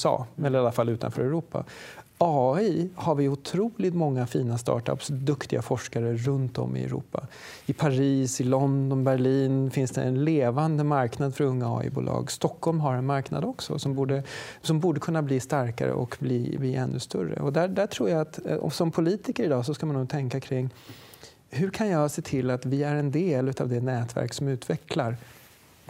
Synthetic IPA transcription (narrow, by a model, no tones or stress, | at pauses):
ɑ̰ːɛlːəɾalafalːʉ̟ːt̪a̰nfœːɾɛɾuːpa̰ɑːɪhaɾvɪʊt̪ʰɾuːlɪt̪mɔŋːafiːnast̪ɑ̰ːʈa̰psd̪ɵkt̪ɪɡafɔʂkaɾəɾɵnt̪ɔ̰mːɪ̰ɛ̰ɾṵːpːa | ɪpʰaɾiːsɪlɔnd̪ɔnbæɾɭiːnfɪnsd̪ɛ̰ɛnleːvand̪əmaɾknad̪fœɾɵŋːaɑ̰ːɪ̰bṵːlʔɑ̰ːɡst̪ɔkʰːɔlmɦaɾɛnmaɾkna̰d̪ɔksɔ̰sɔmbuːɖəsɔmbuːɖəkʰɵnːabliːst̪aɾka̰ɾə̰ʔɔkbliːbliːʔɛnːɵst̪œ̰ɾə̰ɔd̪æd̪æʈʰɾuːɾjaat̪ɔ̰sɔmpʰʊliːt̪ɪkəɾɪd̪ɑːsɔskamanːuːt̪ʰɛŋkakʰɾɪŋː | hɵɾkʰanjɑseːt̪ʰɪlːat̪vɪæɾɛnd̪eːlʉ̟ːt̪avd̪ɛnɛːt̪væ̰ɾksɔmʉ̟ːt̪vɛklaɾ